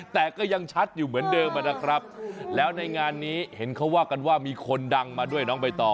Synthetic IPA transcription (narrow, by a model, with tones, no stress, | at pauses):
t̪ɛː˨˩kɔː˥˩ja˧ŋt͡ɕʰa˦˥t̪̚juː˨˩mɯ˩˦əndɤː˧mʔa˧˩nːa˦˥kʰɾa˦˥p̚lɛː˦˥wna˧jŋaː˧nːiː˦˥he˩˦nkʰa˦˥waː˥˩ka˧nwaː˥˩miː˧kʰo˧nda˧ŋmaː˧du˥˩əjnɔː˦˥ŋpa˧jt̪ɔː˨˩